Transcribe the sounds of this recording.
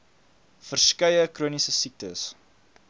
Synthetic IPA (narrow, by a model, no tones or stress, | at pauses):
fərskɐjəkruənisəsik̚tə̰s